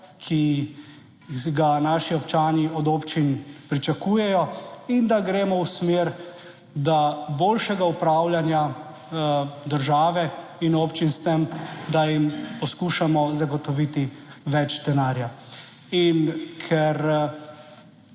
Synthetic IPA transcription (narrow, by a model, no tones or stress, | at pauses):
kʰi | ɡanaːʃiɔpt͡ʃaːniɔd̪oːpt͡ʃinpɾit͡ʃakuːjɛjɔind̪aɡɾeːmɔwsmeːɾ | d̪aboːlʃɛɡaupɾaːwljanja | d̪əɾʒaːʋɛinopt͡ʃinst̪ɛmd̪ajimpɔskuːʃamɔzaɡɔt̪ɔʋit̪iʋɛt͡ʃd̪ɛnaːɾja | inkʰɛɾ